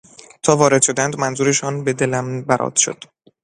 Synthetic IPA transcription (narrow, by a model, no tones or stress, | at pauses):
t̪ʰɒːvɒːɾe̞d̪̥ʃo̞d̪ænd̪mænzuːɾe̞ʃɒːnbe̞d̪e̞læmbæɾʔɒ̰ːd̪̥ʃo̰d̪̥